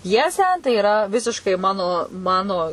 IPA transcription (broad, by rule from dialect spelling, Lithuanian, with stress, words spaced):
ˈpʲjæːsʲæː tɐɪ ɪˈrɐ ˈʋʲɪsʲɪʃkɐɪ ˈmɑːnoː ˈmɑːnoː